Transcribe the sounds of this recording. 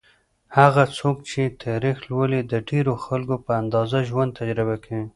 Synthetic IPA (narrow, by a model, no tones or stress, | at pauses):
haɣat͡sok̚t͡ʃet̪ʰaɾixlwəlid̪əɖeɾoxalkopəand̪ɑzaʒwand̪̚t̪ad͡ʒɾɪbakʰawi